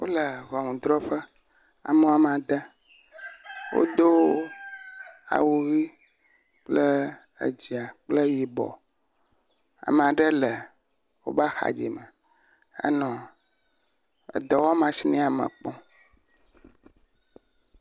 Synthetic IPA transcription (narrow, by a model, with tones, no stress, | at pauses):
wo˦lə˨vɔ˨ŋũ˨d̪ɾɔ˦ɸə˦ | a̰˨me˦a˨m˨a˨d̪ə˦ | wo̰˦d̪o˦ | a̰˨wu˨ɣi˦ | k͡plə˦ | ə̰˨d͡ʑi˨a˨k͡plə˦ji˨bɔ̰˨ | a̰˨m˨a˨ɖə˦lə˨ | wo̰˦ba˦xa̰˨d͡ʑḭ˨mə˨ | ə̰˦nɔ̃˨ | ə̰˨d̪ɔ˨wɔ˦mã˨si˦nĩ˦a˨mə̰̃˨k͡pɔ̃˦